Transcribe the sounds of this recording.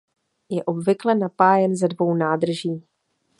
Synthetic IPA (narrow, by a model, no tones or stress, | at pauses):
jɛʔo̞bvɪklɛnapaːjɛnzɛdvo̞wnaːd̪r̩ʒiː